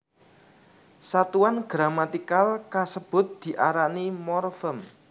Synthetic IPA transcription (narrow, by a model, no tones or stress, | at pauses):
sat̪uanɡ̥ɾamat̪ikalkasəb̥ʊ̤t̪̚d̪̥i̤ʔaɾanimɔrfəm